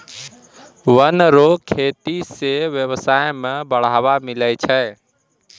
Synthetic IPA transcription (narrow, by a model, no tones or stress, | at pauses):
wənɾokʰet̪iseʋjəβsajmebəɽ̤abamiləjt͡ʃʰəj